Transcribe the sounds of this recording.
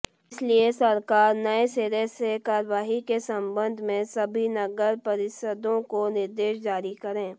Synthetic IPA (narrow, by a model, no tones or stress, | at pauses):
ɪsliesɐɾkaːɾnɐeseːɾesekaːɾʋaːɦikesɐ̃mbə̃nd̪ʱmẽsɐbʱinɐɡəɾpɐɾɪʃəd̪õkonɪɾd̪eːʃd͡ʒaːɾikɐɾẽː